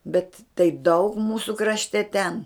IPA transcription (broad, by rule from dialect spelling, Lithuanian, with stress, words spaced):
bʲɛt tɐɪ dɐʊk ˈmuːsuː krɐʃʲˈtʲɛ tʲɛn